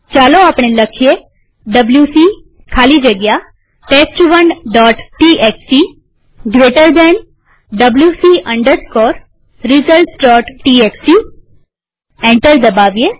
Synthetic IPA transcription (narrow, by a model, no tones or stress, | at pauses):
t͡ʃaloapɳ̃eləkʰije | ɖəbljusi | kʰalid͡ʒəɡja | ʈekt͡ʃuʋəɳɖɖɔʈʈiʔekt͡ʃi | ɡɾeʈəɾd̪en | ɖəbljusiəɳɖət̪kɔɾ | ɾizəlʈɖɔʈʈiekst͡ʃi | ɛ̃ɳʈəɾd̪əbaʋije